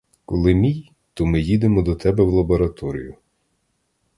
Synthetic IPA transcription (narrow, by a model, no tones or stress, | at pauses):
kɔlˠɪmʲij | t̪ɔmɪjid̪emɔd̪ɔt̪ɛbɛwlˠɐbɔɾɐt̪ɔɾʲḭjʊ